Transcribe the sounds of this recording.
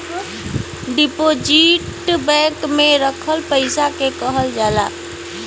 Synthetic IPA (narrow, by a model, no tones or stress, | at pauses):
ɖipod͡ʒiʈbɛ̃ŋkmeɾəkʰəlpəɪsakekəɦəld͡ʒala